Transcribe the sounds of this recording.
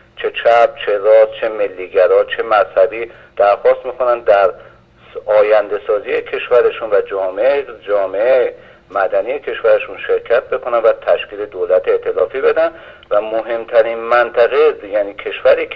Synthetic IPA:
t͡ʃʰe̞t͡ʃʰæb̥̚t͡ʃʰeɾɒːst͡ʃʰe̞me̞lːiːɡæɾɒːt͡ʃʰe̞mæzhæbiː | d̪̥æɾxɒːst̪miːkʰo̞nænd̪æɾ | ɒːjænd̪e̞sɒːziːjecʰe̞ʃvæɾeʃunvæd͡ʒɒːmeed͡ʒɒːme̞e | mæd̪ænije̞cʰe̞ʃvæɾe̞ʃunʃe̞ɾcʰæt̪̚ʰbe̞kʰo̞nænvæt̪ʰæʃcʰiːle̞d̪olæt̪ʰeʔt̪ʰe̞lɒːfiːbe̞d̪æn | væmoɦe̞mt̪ʰæɾinmænt̪ʰæɣejæniːcʰe̞ʃvæɾiː

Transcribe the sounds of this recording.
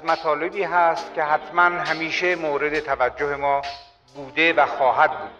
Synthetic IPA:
mæt̪ʰɒːle̞biːɦæst̪cʲʰe̞ɦæt̪ʰmænɦæmiːʃe̞moːɾe̞d̪et̪ʰævæd͡ʒːohe̞mɒː | buːd̪e̞væxɒːhæd̪̚buːd̪̥̚

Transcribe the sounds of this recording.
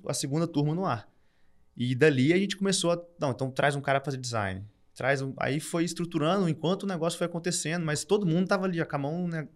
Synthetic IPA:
ɐ̰sɪɡũnd̪ɐt̪uɾmɐnʊaɾ | ɪd̪aliaʒẽnt͡ʃɪ̥komesoɐnɐ̃w̃ẽt̪ɐ̃w̃t̪ɾajzũkaɾɐfazed͡ʒɪza̰jnɪ | t̪ɾajzũa̰ifojɪst̪ɾut̪uɾɐ̃nd̪ʊẽkwɐ̃nt̪ʊːnɛɡɔsjʊfojakõnt̪esẽnd̪ʊmɐjst̪od̪ʊmũnd̪ʊt̪avaliakabɐ̃w̃nɛ

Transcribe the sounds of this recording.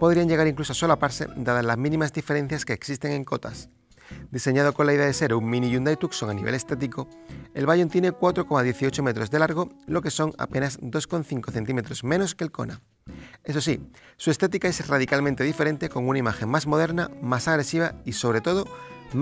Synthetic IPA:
poðɾiaɲʝe̞ɣaɾiŋklusoso̞lapaɾsḛd̪aðazlazmĩnĩmazd̪ife̞ɾe̞n̟θjaske̞ːksist̪eŋẽ̞ŋko̞t̪a̰s | d̪iseɲað̞o̞ko̞nlaiðe̞aðese̞ɾuŋmĩniʝund̪ajt̪ukso̞ŋaniβḛle̞st̪et̪̬iko̞ | e̞̰lβaʝont̪je̞ne̞kwat̪ɾo̞ko̞maðje̞θio̞t͡ʃo̞me̞t̪ɾo̞zðe̞laɾɣ̞o̞lo̞ke̞so̞ŋa̰pe̞nazd̪o̞sko̞n̟θiŋko̞θe̞nt̪ime̞t̪ɾo̞zmẽ̞no̞skeːlko̞̰na̰ | e̞so̞s̬i | sue̞st̪et̪ikae̞sraðikalmẽnt̪eife̞ɾe̞nt̪e̞ko̞ŋunaimaxe̞ŋmazmo̞ð̞e̞ɾnamasaɣɾe̞siβ̞aiso̞β̞ɾe̞t̪o̞ð̞o̞

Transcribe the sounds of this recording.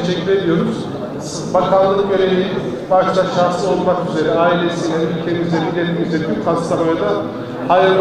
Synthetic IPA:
ʃɛcʲːyɾe̞d̪ijo̞ɾuz̥ | bakʰalˠːɯɯmøɾeliji | baʃlˠaʃaɾt̪ˠɯo̞lˠmakyze̞ɾɛaːilʲe̞sijanylʲcʲʰemyzd̪eɾid̪ʲelʲmɛkyzykʰast̪aɾojad̪a | hajɯɾ

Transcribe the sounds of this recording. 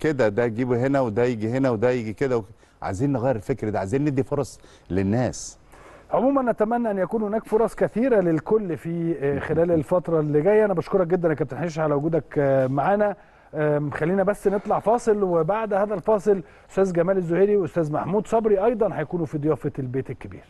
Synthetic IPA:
ked̪æd̪æɡiːbuɦenæwed̪æjeɡihenæwed̪æjeɡiked̪æw | ʕa̰ziːnːeɣæjːɾfekɾd̪æʕaziːnːed̪ːifoɾˤɑsˤ | lenːæːs | ʕomuːmænʔæt̪æmænːæʔænjækuːnhonæːkfoɾˤɑsˤkæθiːɾælelkolːfixelæːlelfɑt̪ɾˤɑlːiɡæːjːæʔænæbɑʃkoɾˤɑk̚ɡed̪ːænʔækæb̚t̪enħiːʃ̬ʕalæwoɡuːd̪ækmaʕaːnæ | xælːiːnæbæsːnet̪ˤlɑʕfɑːsˤɨlwebaʕd̪hæːðælfɑːsˤɨl | ʔo̥st̪æːzɡæmæːlezːoheːɾiweʔost̪æːzmaħmuːd̪sˤɑbɾiʔɑjd̪ˤɑnhæjækuːnufid̪ˤejɑːfelbeːt̪elkːebḭːɾ

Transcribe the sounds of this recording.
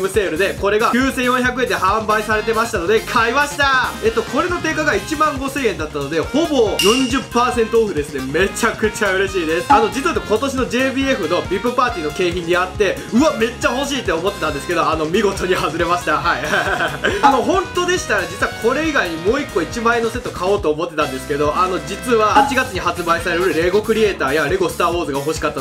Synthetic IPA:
mɯ̟se̞ːɾɯ̟d̪e̞ko̞ɾe̞ɡakʲjɨːsẽ̞ɰ̃jõ̞çʲjak̬ɯ̟e̞nd̪ehãmbaisaɾe̞t̪e̞maɕi̥t̪ano̞d̪e̞kʰaimaɕi̥t̪ae̞t̪ːo̞ko̞ɾe̞no̞t̪e̞ːkaɡait͡ɕimãŋɡo̞se̞ːẽ̞nd̪at̪ːano̞d̪e̞ho̞bo̞jõ̞ɲ̟d͡ʑɨpːaːsẽ̞nt̪oːɸɯ̟d̪e̞sɨne̞me̞t͡ɕakɯ̟t͡ɕaɯ̟ɾe̞ɕiːd̪e̞sɨ̥ano̞d͡ʑit͡sɨt̪oko̞t̪o̞ɕino̞d͡ʑe̞ːbʲiːe̞ɸɯ̟no̞bʲipːɯ̟paːt̪ʲiːno̞ke̞ːçĩɲ̟ːiat̪ːe̞ | ɯ̟ame̞t͡ɕːaɦo̞ɕiːt̪ːe̞o̞mo̞t̪ːet̪ãnd̪e̞sɨ̥ke̞d̪o̞ano̞mʲiɡo̞t̪o̞ɲ̟iɦazɨɾe̞maɕi̥t̪aɦaiaano̞ɦõ̞nt̪o̞d̪eɕi̥t̪aɾad͡ʑit͡sɨβakʰo̞ɾe̞iɡaiɲ̟imo̞ːikːo̞it͡ɕimae̞nːo̞se̞t̪ːo̞kao̞ːt̪o̞ːmo̞t̪ːe̞t̪ãnd̪e̞sɨ̥ke̞d̪o̞ʔano̞d͡ʑit͡sɨβat͡ɕiɡat͡sɨɲ̟ihat͡sɨbaisaɾeɾɯ̟ɾɯ̟ɾe̞ɡo̞kɯ̟ɾʲie̞ːt̪aːjaɾe̞ɡo̞sɨ̥t̪aːɸo̞ːzɨɡaɦo̞ɕi̥kat̪ːa

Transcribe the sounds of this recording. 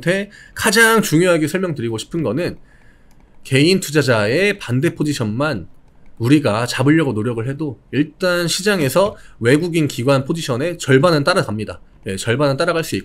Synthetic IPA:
tʰe̞kad͡ʑaŋt͡ɕuŋjoɦaɡesʰʌɭmjʌŋtɯɾiɡoɕʰi̥pʰɯnɡʌnɯn | ke̞intʰud͡ʑad͡ʑae̞pande̞pʰod͡ʑiɕʰʌnman | uɾiɡat͡ɕabɯʎːʌɡonoɾjʌɡɯɭɦe̞doiɭt͈anɕʰid͡ʑaŋe̞sʰʌwe̞ɡuɡinkiɡwanpʰod͡ʑiɕʰʌne̞t͡ɕʌɭbanɯnt͈aɾaɡamɲida̰ | je̞t͡ɕʌɭbanɯnt͈aɾaɡaɭs͈uik̚

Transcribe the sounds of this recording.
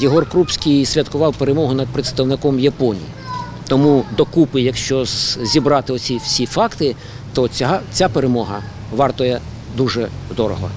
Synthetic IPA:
jiɦɔrkɾupsʲkʲijsʲʋʲɐt̪kʊʋɑwpeɾemɔɦʊnɐd̪̚pɾet̪st̪ɐwnɪkɔmjɐpɔnʲḭji | t̪ɔmud̪ɔkupɪjɐkʃt͡ʃɔzzʲibɾɑt̪ɪɔt͡sʲiwsʲifɑkt̪ɪ | t̪ɔt͡sʲapeɾemɔɦɐ̰ | ʋɑrt̪ɔjɛ | d̪uʒɛd̪ɔɾɔɦɔ̰

